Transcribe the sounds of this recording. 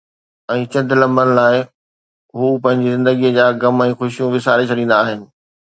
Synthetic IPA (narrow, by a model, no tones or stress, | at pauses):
ɛ̃ːt͡ɕɐ̃nd̪ʱɪlɐ̃mbənɪ̆laːɪ | ɦuːpɐ̃ɦɪ̃ɲd͡ʑizɪ̃nd̪əɡijəd͡ʑaːɡɐmɛ̃ːxʊʃijũʋɪsaːɾet͡ɕʰɐɽĩːnd̪aːɦɪnɪ̆